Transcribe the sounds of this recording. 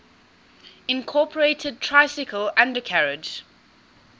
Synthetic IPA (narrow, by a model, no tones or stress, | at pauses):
ɪ̃nkʰɔːˑpʰəɹeɪtʰəd̚tʰɹ̥aɪsɪkʰəlãndəkʰaɹɪd͡ʒ